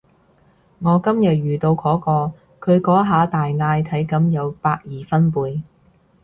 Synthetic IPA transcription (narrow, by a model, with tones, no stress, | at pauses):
ŋɔː˨˧kɐ˥mjɐ˨t̚jyː˨˩t̪o˧wkʰɔː˨˥kɔː˧ | kʰɵ˨˧ɥkɔː˨˥ɦaː˨˧t̪aː˨jŋaː˧jt̪ʰɐ˨˥jkɐ˨˥mjɐ˨˧wpaː˧k̚jiː˨fɐ˥npuː˨˧j